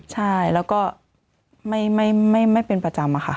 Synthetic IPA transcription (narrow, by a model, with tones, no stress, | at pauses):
t͡ɕʰa˥˩jlɛː˦˥wkɔː˥˩ | ma˥˩jma˥˩jma˥˩jma˥˩jpe˧npɾa˧t͡ɕa˧mʔa˧˩xʰa̰˥˩